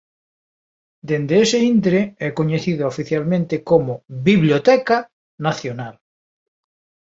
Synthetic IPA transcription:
d̪end̪eeseind̪ɾeɛkoɲeθiðoofiθjalmẽnt̪ekomobiβljot̪ɛka | naθjonal

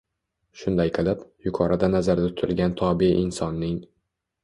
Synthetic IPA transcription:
ʃʊnd̪ajqʰɨlapjʊkʰɒɾad̪anazaɾd̪at̪ʰʊ̥t̪ʰɪlɡʲant̪ʰɒbɪʔɪnsɒnːɪŋ

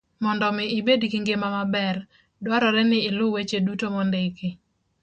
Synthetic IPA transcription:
mɔndɔmɪɪbedkiŋɡemamabɛr | dwaɾɔɾɛnɪːlʊwet͡ʃedutomɔndeke

